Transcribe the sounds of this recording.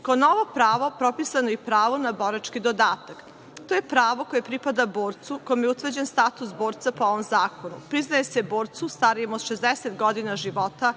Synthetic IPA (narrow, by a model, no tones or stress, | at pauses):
kaonoʋopɾaːʋo̞pɾo̞pisanoipɾaːʋonaboɾat͡ʃkid̪od̪aːt̪ak | t̪oje̞pɾaːʋo̞koje̞pɾipad̪aboːɾt̪suko̞jomjeut̪ʋr̩d͡ʑenst̪at̪usboːɾt̪sapooʋomzaːko̞nṵpɾiznaje̞sebo̞ːɾt̪sust̪aɾijemod̪ʃezd̪eset̪ɡod̪inaʒiʋo̞t̪a